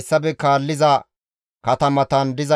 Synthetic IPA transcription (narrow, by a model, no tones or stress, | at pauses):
sːɐbɛkaːlːɪzɐ | kɐt̪ɐmɐt̪ɐnd̪ɪzɐ